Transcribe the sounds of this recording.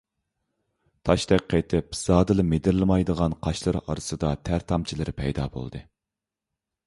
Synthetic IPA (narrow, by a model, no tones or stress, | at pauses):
t̪ʰɑʃt̪ɛk̚ʲqʰːet̪ʰɪpz̥ɑːd̪ɨlˠɨmed̪ɪɾlˠɨmɑjd̪əʁɑnqʰɑʃlˠɨɾɑ̰ɾɨsɨd̪ɑt̪ʰæɾt̪ʰɑmt͡ʃʰilˠɨɾpʰɛ̰jd̪ɑ̰ːbo̰lˠd̪ɨ̰